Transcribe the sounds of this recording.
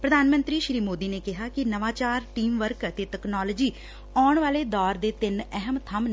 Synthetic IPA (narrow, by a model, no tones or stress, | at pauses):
pɾəd̪ʱaːnmə̃nt̪ɾiːʃɾiːmoːd̪iːneːkɪɦaːkɪnəʋaːt͡ʃaːɾʈiːmʋəɾkət̪eːʈəknɔːləd͡ʒiː | ɔːɳʋaːleːd̪ɔːɾd̪eːt̪ɪnɛɦəmt̪ʰəm